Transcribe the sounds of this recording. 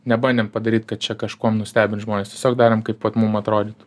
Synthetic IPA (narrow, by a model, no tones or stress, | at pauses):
nʲɛbɐndʲeɛmpɐd̪ɐɾʲiːt̪kɐt̪̚t͡ʃʲɛkɐʃkuɔmnʊsʲt̪ʲæːbʲɪnt̪ʒmoːnʲest̪ʲiɛsʲoːkd̪ɑːɾʲemkɐɪpʋɐt̪mumɐt̪ɾoːd̪ʲit̪